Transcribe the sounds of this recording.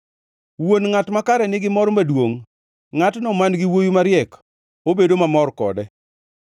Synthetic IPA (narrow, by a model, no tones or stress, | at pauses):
wonŋatmakaɾɛnɪɡɪmɔɾɔmadwoŋ | ŋatnɔmanɡɪwojumaɾjɛk | obedomamɔrkɔ̰dɛ